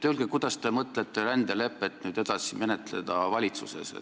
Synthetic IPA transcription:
t̪eylɡ̥ekud̪̥ɑst̪e̞mɤt̪ˑlet̪ːˑe̞ɾænd̪ele̞pːˑet̪ːnyːd̪e̞d̪̥ɑsime̞ne̞t̪le̞̰d̪̥ɑvɑlʲit̪susḛsḛ

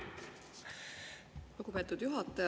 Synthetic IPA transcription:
luɡ̥upe̞t̪ːˑud̪̥juɦɑt̪ːˑɑj

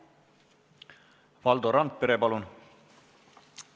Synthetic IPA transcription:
vɑld̪oɾɑnt̪̚peɾepɑlun

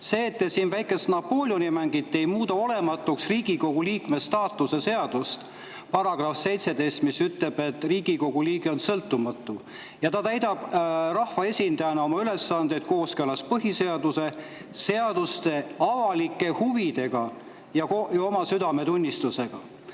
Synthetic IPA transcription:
se̞ːt̪ːesiːnvæjkˑe̞st̪nɑpːo̞lʲjonʲimæŋɡ̥it̪ˑːe̞jmuːd̪ɑo̞le̞mɑt̪ːˑuksriːɡ̥iko̞ɡ̥uliːkme̞st̪ɑːt̪ːˑuse̞se̞ɑd̪̥ust̪ | pɑɾɑɡ̥rɑfse̞jt̪se̞d̪e̞jst̪misyt̪le̞b̥e̞t̪ːˑriːɡiko̞ɡ̥uliːɡeo̞nsɤlt̪ːˑumɑt̪ːˑu | jɑt̪ɑt̪æjd̪ɑb̥rɑhvɑe̞sʲind̪ɑjɑnɑo̞mɑyle̞sːɑnd̪et̪̚ko̞ːskølɑspɤɦise̞ɑd̪use̞ | se̞ɑd̪̥ust̪e̞ɑvɑlikːˑe̞huvid̪e̞ɡ̥ɑ | jɑkojo̞mɑsyd̪ɑme̞t̪unʲːist̪use̞ɡ̥ɑ̰

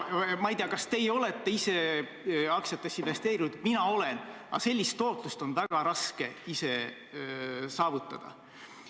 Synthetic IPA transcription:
mɑjt̪eɑkɑst̪e̞jo̞le̞t̪ːˑe̞ise̞ | ɑksjɑt̪ːˑesinve̞st̪e̞ːɾinud̪̥minɑo̞le̞n | ɑ̰se̞lʲːist̪ːo̞ːt̪lust̪o̞nvæɡ̥ɑɾɑske̞ise̞ | sɑːvut̪ˑːɑd̪̥ɑ̰

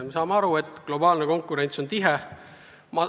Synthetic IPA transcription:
mesɑːmeɑɾue̞t̪ˑːklo̞bɑːlneko̞ŋkːˑuɾe̞nʲt̪so̞nt̪iɦe | mɑ

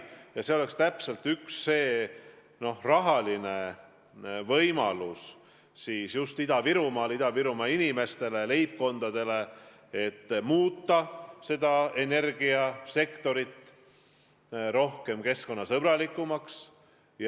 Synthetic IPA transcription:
jɑse̞o̞le̞kst̪æpse̞lt̪yksːe̞ː | no̞hrɑɦɑline̞ | vɤjmɑ̰lus | siːsjust̪id̪̥ɑviɾumɑlid̪̥ɑviɾumɑinime̞st̪e̞le̞le̞jp̚ko̞nd̪̥ɑd̪̥e̞le̞ | et̪ːmuːt̪ːɑse̞d̪̥ɑe̞ne̞rɡiɑse̞kt̪o̞ɾit̪ː | ɾo̞hke̞mke̞sko̞nːɑsɤb̥ɾɑlikːˑumɑks | j

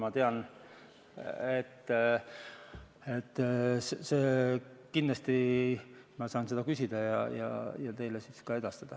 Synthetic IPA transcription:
mɑt̪e̞ɑn | et̪ː | e̞t̪ːsseːkind̪ɑst̪i | mɑsɑːnse̞d̪ɑkysʲid̪̥ɑjɑ̰jɑ̰jɑt̪e̞jlesiskɑe̞d̪̥ɑst̪ɑd̪̥ɑ

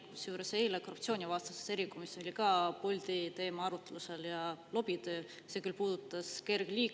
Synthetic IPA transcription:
kisjuːɾe̞se̞ːle̞ko̞rup̚t̪sio̞ːnʲivɑːst̪ɑse̥se̞ɾikːumiso̞lʲikɑpo̞lʲd̪̥it̪e̞ːmɑɑɾut̪ːˑeluse̞ljɑlo̞b̥it̪øː | se̞kylpuːd̪ut̪ːˑɑske̞rɡ̥liː

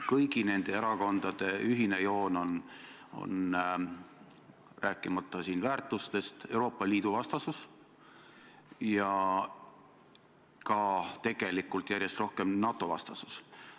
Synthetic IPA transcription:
kɤjɡine̞nd̪̥e̞eɾɑko̞nd̪̥ɑd̪̥e̞yɦine̞jo̞ːno̞n | o̞̰n | ræːkːˑimɑt̪ːˑɑsiːnvæːrt̪ːˑust̪e̞st̪e̞wɾo̞ːpːˑɑliːd̪̥uvɑst̪ɑsus | jɑ | kɑt̪e̞ɡ̥e̞likːˑult̪ˑjæɾʲjest̪ro̞hke̞mnɑt̪ːˑo̞vɑ̰st̪ɑsu̥s

